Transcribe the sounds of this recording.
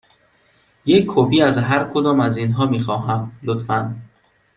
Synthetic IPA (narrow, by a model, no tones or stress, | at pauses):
jekʰːopiazɦaɾkʰud̪ɔmazinɦɔmiχɔɦamlut̪fan